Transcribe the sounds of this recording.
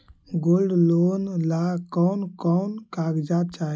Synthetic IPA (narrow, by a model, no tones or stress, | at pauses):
ɡolɖlonlakɔnkɔnkaɡd͡ʒat͡ʃa